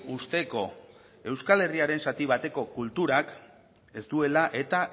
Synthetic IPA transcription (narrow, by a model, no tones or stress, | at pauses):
ust̪e̞ko̞ | e̞wskale̞riaɾe̞nsat̪iβ̞at̪e̞ko̞kult̪uɾak | e̞sd̪ue̞laʔe̞t̪a